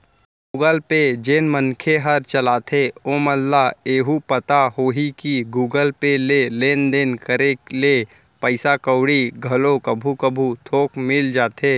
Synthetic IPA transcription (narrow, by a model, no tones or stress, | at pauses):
ɡuːɡəlped͡ʒeːnmənkʰeɦɐɾt͡ʃəlaːt̪ʰeoːməlːaeːɦupət̪aɦoːɦikiɡuːɡəlpeleleːnd̪eːnkəɾele | pəɪsakəwɽiɡʱɐlokɐbʱukəbʱut̪ʰoːkmɪld͡ʒaːt̪ʰeː